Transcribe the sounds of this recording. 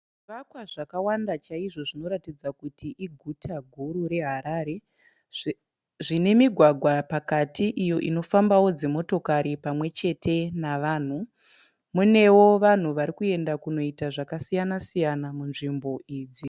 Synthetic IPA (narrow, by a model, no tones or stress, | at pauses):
ʐiʋakwaʐakawandat͡ʃaiʐo̞ʐino̞ɾatid͡zakutiʔiɡʱutʰaɡʱuɾuɾe̞ɦaɾaːɾe̞ | ʐine̞miɡʱwaɡʱwapakatʰiʔijo̞ʔino̞fambawo̞d͡ze̞mo̞to̞kaɾipamwe̞t͡ʃe̞tʰe̞naʋaːn̤u | mune̞wo̞ʋan̤uʋaɾikue̞ndakuno̞itaʐakasijanasijanamunʐimbo̞ʔiːd͡zi